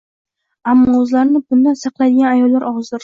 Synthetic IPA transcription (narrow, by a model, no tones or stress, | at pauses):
amːɒɵzlaɾnɪbʊnd̪ansɑqlˠajd̪ɪɡʲanajɒlˠːaɾʔɒʁzd̪ʊɾ